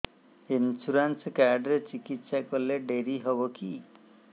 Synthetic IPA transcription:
insuɾanskaɾɖɾet͡ʃikit̪ːsakɔleɖeɾiɦoboki

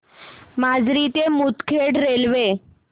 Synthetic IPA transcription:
mad͡zɾit̪emut̪kʰeɽɾelʋe

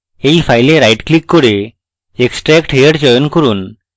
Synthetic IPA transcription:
ejpʰajleɾajʈklikːɔɾe | eksʈɾɛkʈʰejəʈd͡ʒɔjɔnkɔɾun

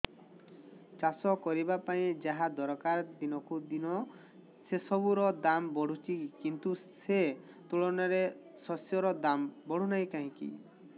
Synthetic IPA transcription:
t͡ʃasɔkɔɾibapaĩd͡ʒaɦad̪ɔɾkaɾd̪inɔkud̪inɔ | sesɔbuɾɔd̪ambɔɽ̤ut͡ʃʰikint̪use | t̪uɭɔnaɾe | sɔsjɔɾɔd̪ambɔɽ̤unaj̃kaɦĩkḭ

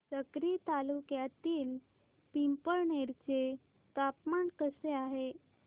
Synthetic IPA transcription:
səkɾit̪alukjat̪iːl | pimpəɾɳeɾt͡ɕe | t̪apmaɳkəseaɦe

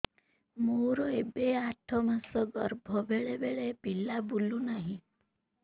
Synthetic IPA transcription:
moɾɔebeaʈʰɔmasɔɡɔɾbʱɔbeɭebeɭepilabulunaɦĩ

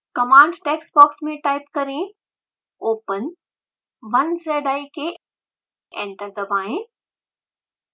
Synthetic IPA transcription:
kɐmãːɳɖʈeːksbɔːksmẽʈaːɪpkɐɾẽ | oːpən | ʋɐnseːɖaːike | ḛ̃ːɳʈəɾɡ̪ɐbaːẽ

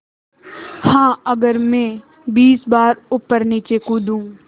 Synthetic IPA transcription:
hãːɐɡəɾmẽː | biːsbaːɾʊpːəɾniːt͡ʃekũːd̪ũː

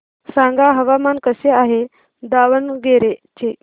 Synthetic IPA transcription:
sãŋɡaɦəʋamankəseaɦe | d̪aʋənɡeɾet͡ɕe

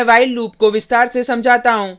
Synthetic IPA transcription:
ʋaːɪlːuːp̚koʋɪst̪aːɾsesɐ̃md͡ʒʱaːt̪aɦũː

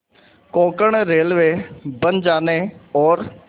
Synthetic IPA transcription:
kɔ̃ːkəɳɾeːlʋeːbənd͡ʒaːneːɔːɾ

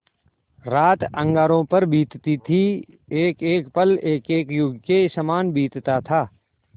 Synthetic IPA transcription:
ɾaːt̪ə̃ŋɡaːɾõpəɾbiːt̪t̪it̪ʰi | eːkeːkpəleːkeːkjʊɡkesəmaːnbiːt̪t̪at̪ʰaː

